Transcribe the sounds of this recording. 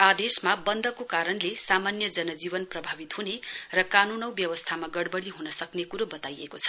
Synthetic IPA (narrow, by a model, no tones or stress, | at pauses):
ad̪esmabʌnd̪ʱʌkokaɾʌnlesamanjʌd͡zʌnʌd͡zibʌnprʌbʱabit̪ɦunerʌkanunʌw̃bjʌwʌst̪ʰamaɡʌɽbʌɽiɦunʌsʌknekuɾobʌt̪ajekot͡sʰʌ̥